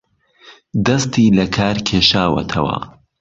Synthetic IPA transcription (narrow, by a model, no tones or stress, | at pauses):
d̪ɐst̪iːlɐkʰaːɾkʲʰeːʃaːwɐ̰t̪ʰɐwɐ̰